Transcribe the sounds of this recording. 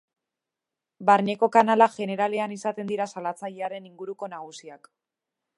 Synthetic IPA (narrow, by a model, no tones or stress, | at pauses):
baɾɲe̞ko̞kanalaʝe̞ne̞ɾale̞anisat̪e̞nd̪iɾasalat͡saʎeaɾe̞niŋɡuɾuko̞naɣ̞usiak